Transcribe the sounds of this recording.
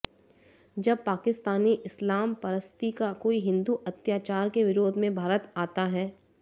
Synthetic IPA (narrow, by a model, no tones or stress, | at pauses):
d͡ʒɐb̚paːkɪst̪aːniʔɪslaːmpɐɾəst̪ikakoːiɦɪ̃nd̪uʔɐt̪jaːt͡ʃaːɾkeʋɪɾoːd̪ʱmẽbʱaːɾət̪aːt̪aɦɛː